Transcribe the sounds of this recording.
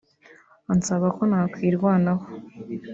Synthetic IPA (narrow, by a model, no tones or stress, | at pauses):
ansaβakonaːkwiːɾɡwaːnaho